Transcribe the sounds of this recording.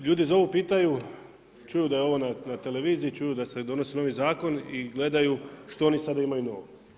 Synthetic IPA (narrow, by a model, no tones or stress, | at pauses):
ʎuːd̪izo̞ʋupiːt̪aju | t͡ʃujud̪ajeo̞ʋo̞nanat̪e̞leʋiːziit͡ʃujud̪ase̞d̪o̞no̞seno̞ʋizaːko̞niɡle̞d̪ajuʃt̪oo̞nisad̪aimajuno̞̰ʋo